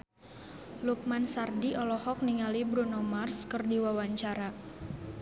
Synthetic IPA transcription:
luk̚mansardiʔɔlɔhɔk̚niŋalibɾunɔmarskərdiwawaɲt͡ʃaɾa

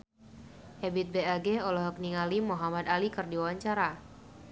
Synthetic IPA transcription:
ʔɛbit̪̚bɛaɡɛɔlɔɦɔk̚niŋalimuɦamad̪alikərdiwawaɲt͡ʃaɾa

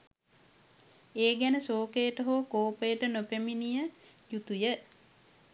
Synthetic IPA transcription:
eːɡænəsoːkejəʈəɦoːkoːpəjəʈənopeminijəjut̪ujə

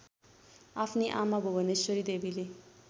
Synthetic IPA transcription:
apʰniʔamabʱobʱʌnesʌɾid̪ebile

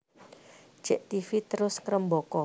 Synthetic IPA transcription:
d̥ʒ̥ɛʔt̪ifit̪əɾʊskəɾəmbokɔ

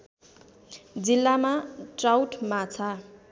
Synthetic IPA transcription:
d͡zilːamaʈrawʈmat͡sʰa

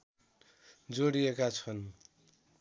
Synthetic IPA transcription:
d͡zoɽiekat͡sʰʌn

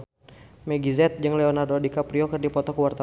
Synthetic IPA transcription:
mɛɡizɛt̪̚d͡ʒɨŋlɛonardodikapɾiɔkɨrdipɔt̪ɔkəwart̪a

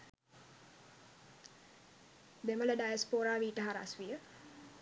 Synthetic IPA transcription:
b̪emələɖajaspoɾaːʋiːʈəɦaɾa̰sʋijə

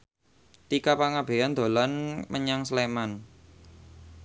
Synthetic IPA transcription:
t̪ikapaŋab̥e̤and̪̥o̤lanmʔəɲaŋsleman

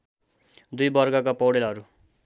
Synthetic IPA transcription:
d̪ujbʌrɡʌkapʌwɽelɦʌɾu

